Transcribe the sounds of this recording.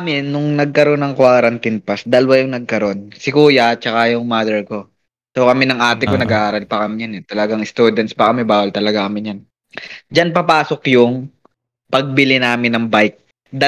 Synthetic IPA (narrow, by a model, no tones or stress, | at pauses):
mɪnːʊŋnɐɡ̚kɐɾo̞nːɐŋkwaːɾɐnt̪ɪnpasd̪ɐlwajʊŋnɐɡ̚kɐɾo̞nsɪkuːjat͡ʃɐkajʊŋmaːd̪ɛɹko̞ | sokɐmɛnɐŋʔaːt̪ɪkonɐɡaʔaːɾɐlpɐkɐmɪjanɛt̪ɐlɐɡaŋɪst̪uːd̪ɛnt̪spɐkɐmɛbaːwɐlt̪ɐlɐɡakɐmɪɲan | d͡ʒanpɐpaːso̞kjʊŋ | pɐɡ̚bɪlɪnaːmɪnɐŋbajk̚ | d̪a